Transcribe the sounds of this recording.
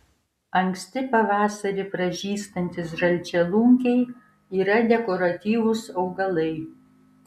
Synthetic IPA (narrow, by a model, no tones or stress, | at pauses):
ɐŋksʲt̪ʲɪpɐʋɑːsɐɾʲɪpɾɐʒʲiːst̪ɐnʲt̪ʲɪsʒɐlʲt͡ʃʲɛlˠʊŋʲkʲɛɪ | iːɾɐd̪ʲɛkɔɾɐt̪ʲiːʋʊsɒʊɡɐlˠɐɪ